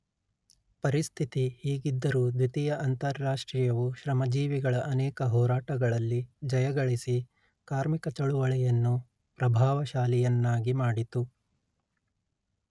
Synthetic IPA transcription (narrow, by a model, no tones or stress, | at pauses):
pɐɾist̪ʰit̪ihiːɡid̪ːɐɾuːd̪ʋit̪ijɐʔɐnt̪ɐɾːaːʂʈɾiːjɐʋuʃɾɐmɐd͡ʒiːʋiɡɐɭɐʔɐnɛːkɐɦɔːɾaːʈɐɡɐɭɐlːid͡ʒɐjɐɡɐɭisi | kaːɾmikɐt͡ʃɐɭuʋɐɭɛjɐnːu | pɾɐbʱaːʋɐʃaːlɛjɐnːaːɡimaːɽit̪u